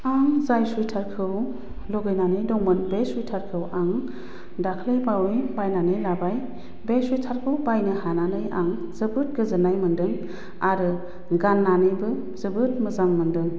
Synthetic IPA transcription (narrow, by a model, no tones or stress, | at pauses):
aŋzajsujtʰaɾkʰɯw | loɡɯjnanɯjdɔŋmɯnbesujtʰaɾkʰɯwaŋ | dakʰlejbawejbajnanɯjlabaj | besujtʰaɾkʰɯwbajnɯhananɯjʔaŋ | zɯbɯt̚ɡɯzɯnajmɯndɯŋ | aɾɯ | ɡanːanɯjbɯ | zɯbɯt̚mɯzaŋmɯndɯŋ